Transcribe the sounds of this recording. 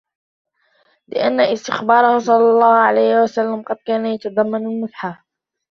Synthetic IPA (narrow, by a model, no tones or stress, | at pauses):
lɪ̰ʔanːaʔɪst̪ɪxbɑːɾˤɑhʊsˤɑlːɑlˤːɑːhʕalajhɪwasalːamqɑd̪̚kaːnajat̪ɑd̪ˤɑmːanalmʊt̪ħa